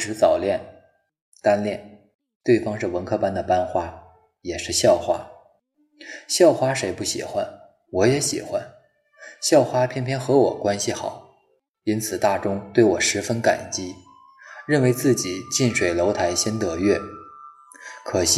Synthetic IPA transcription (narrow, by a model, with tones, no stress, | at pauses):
ʂɻ̩˧˥t͡sɑ˨˩ʊljɛ˥˩n | t̪a˥nljɛ˥˩n | t̪we˥˩ɪfɑ˥ŋʂɻ̩˥˩wə˧˥nkʰɤ˥pa˥nd̪ə˨pa˥nxwa˥ | jɛ˨˩ʂɻ̩˥˧ɕjɑ˥˩ʊxwa˥ | ɕjɑ˥˩ʊxwa˥ʂe˧˥ɪpu˥˩ɕḭ˨˩xwa˧˥n | wɔ˧˥jɛ˧˥ɕḭ˨˩xwa˦˥n | ɕjɑ˥˩ʊxwa˥pʰjɛ˥npʰjɛ˥nxɤ˧˥wɔ̰˨˩kwa˥nɕi˨xɑ˨˩˦ʊ | i˥nt͡sʰɹ̩˨˩t̪a˥˩ʈ͡ʂʊ˥ŋt̪we˥˩ɪwɔ˨˩ʂɻ̩˧˥fə˥nka̰˨˩nt͡ɕi˥ | ɻə˥˩nwe˧˥ɪt͡sɹ̩˥˩t͡ɕi˨˩˦t͡ɕi˥˩nʂwe˨˩ɪlo˧˥ʊt̪ʰa˧˥ɪɕjɛ˥nt̪ɤ˧˥ɥɛ˥˩ | kʰɤ˨˩ɕ